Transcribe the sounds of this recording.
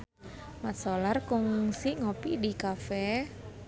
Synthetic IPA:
masolarkʊŋsiʔŋopidikafɛ

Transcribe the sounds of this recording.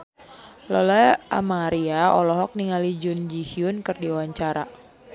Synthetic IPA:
lɔlɛa̰maɾiaɔlɔɦɔk̚niŋalid͡ʒʊnd͡ʒihiʊnkɨrdiuwaɲt͡ʃaɾa̰

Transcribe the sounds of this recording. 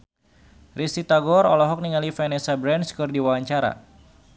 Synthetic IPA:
risit̪aɡɔɾɔlɔɦɔk̚niŋalifɛnɛsabɾɛnskɨrdiwawaɲt͡ʃaɾa̰

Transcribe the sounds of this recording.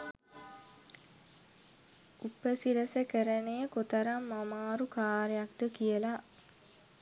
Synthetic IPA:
ʔupəsiɾəsəkəɾənejəkot̪əɾamːamaːɾukaːɾejakd̪əkijəla

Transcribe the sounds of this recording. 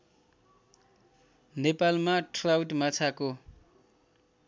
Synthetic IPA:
nepalmaʈrawʈmat͡sʰako

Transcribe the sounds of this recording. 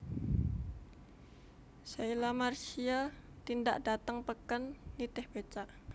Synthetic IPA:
sailamarsia | t̪indaʔdat̪əŋpəkanːit̪ɪhb̥et͡ʃaʔ

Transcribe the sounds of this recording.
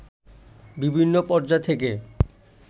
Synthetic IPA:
bibʱinːopɔɾd͡ʑat̪ʰek̬e

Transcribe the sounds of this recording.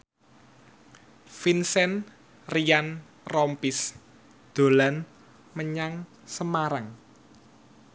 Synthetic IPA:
finsɛn | rijan | rɔmpis | d̪̥o̤lan | məɲaŋ | səmaɾaŋ

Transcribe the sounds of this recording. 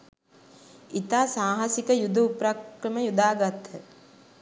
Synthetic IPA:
it̪aːsaːɦasikəjud̪əupɾakɾəməjud̪aːɡat̪hə

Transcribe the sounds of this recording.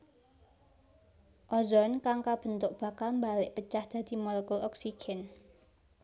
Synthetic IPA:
ʔɔzɔnkaŋkab̥ə̤nt̪ʊk̚b̥a̤kalmbalɪʔpət͡ʃahd̪̥ä̤d̪̥i̤mɔlɛkulɔksiɡ̥ɛn

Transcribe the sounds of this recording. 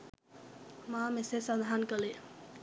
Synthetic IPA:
maːmesesad̪aɦankəle

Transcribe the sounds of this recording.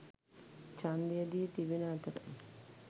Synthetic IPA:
t͡ʃand̪ijɐd̪iːt̪iʋinat̪ɐɾɐ̰

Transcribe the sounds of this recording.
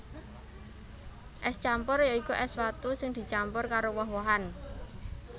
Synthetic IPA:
ʔɛst͡ʃampʊrjaikuʔɛswat̪usɪŋd̪̥i̤t͡ʃampʊrkaɾowɔɦwɔɦan

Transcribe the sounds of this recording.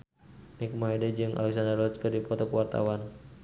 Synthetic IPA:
nik̚maɦedɛd͡ʒɨŋʔa̰lɛk̚sandərlɔt͡ʃkɨrdipɔt̪ɔkuwart̪a̰wan

